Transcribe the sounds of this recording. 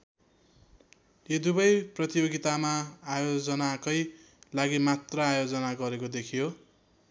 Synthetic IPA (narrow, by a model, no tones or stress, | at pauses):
jed̪ubʌjprʌt̪ijoɡit̪amaːjod͡zʌnakʌj | laɡimat̪rʌajod͡zʌnaɡʌɾekod̪ekʰijo